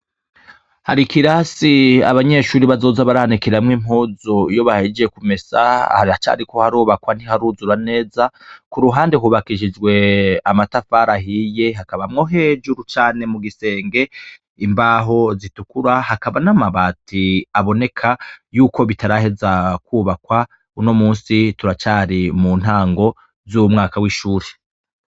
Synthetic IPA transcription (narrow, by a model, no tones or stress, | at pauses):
haɾikiɾasia̰βaɲe̞ʃuːɾiβazo̞zaβaɾahanikiɾamŋim̥huːzoijo̞βahid͡ʒijekume̞sa̰haɾat͡ʃa̰ɾiko̞haɾoːβakwan̥ihaɾuːzuɾane̞ːzakuɾuɦaːndehuːβakiʒid͡ʒɡwe̞amatafaːɾaɦije̞ɦakaβamŋo̞ɦe̞ːd͡ʒuɾut͡ʃaːne̞muɡise̞ːŋɡe̞ | imbaɦo̞zitukuɾahakaβanamaβaːtiaβo̞ne̞kʰajuːko̞βitaɾahe̞zakwuːβakwa | uno̞muːnsituɾat͡ʃaɾimuːn̥haːŋɡo̞ | zumŋaːkawiːʃuːɾe